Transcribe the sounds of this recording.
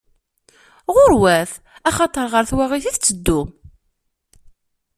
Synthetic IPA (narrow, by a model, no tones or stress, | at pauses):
ʁʊɾwæθ | æχɑt̪ˤəɾˤʁəɾθwæʁiθiθt͡sːəd̪ːʊm